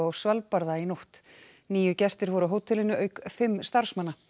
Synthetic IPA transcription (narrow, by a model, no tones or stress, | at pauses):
awsvalpaɾðainoht̪ | niːjʏcɛst̪ɪɾvɔɾʏɦowt̪ʰɪlɪnːʏʔœːɥkfɪmːst̪aɾ̥smanːa